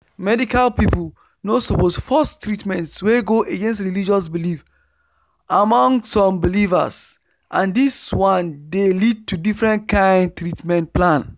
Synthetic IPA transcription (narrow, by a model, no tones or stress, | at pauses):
mɛdikalpipl̩ | nosuposfɔstɹitmɛ̃ntsweɡoʔeɡẽnstɹilid͡ʒɔs̬bilif | ʔamɔ̃ŋsɔ̃mbiliva̰s | ʔãndiswãndelid̚tudifɹɛ̃ntkãɪ̃nd̚tɾitmɛ̃nt̚plãn